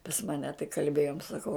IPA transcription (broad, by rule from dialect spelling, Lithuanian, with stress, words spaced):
pɐs ˈmɑːnʲɛ tɐɪ kɐlʲˈbʲeːjoːm sɐˈkɐʊ